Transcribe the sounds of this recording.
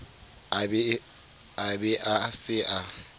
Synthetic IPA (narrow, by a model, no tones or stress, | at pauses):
abɛ | abɛʔasɪʔa